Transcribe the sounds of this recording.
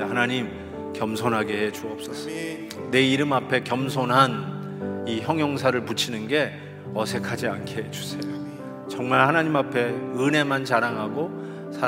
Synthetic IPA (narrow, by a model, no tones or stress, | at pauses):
hanaɲim | kjʌmsʰonɦaɡe̞ɦe̞d͡ʑuʌp̚s͈ʌs͈ʌ | ne̞iɾɯmapʰe̞kjʌmsʰonɦan | içjʌŋjʌŋs̬ʰaɾɯɭput͡ɕʰinɯnɡe̞ | ʌsʰe̞kʰad͡ʑiankʰeed͡ʑusʰe̞jo | t͡ɕʌŋmaɭhanaɲimapʰe̞ɯne̞mant͡ɕaɾaŋɦaɡo | sʰa